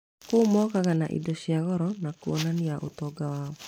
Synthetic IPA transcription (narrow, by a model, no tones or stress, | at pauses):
kumɔkaɣanaʔḭdosiaɣɔɾɔnakuonaniaʔṵt̪ɔɡawaɔ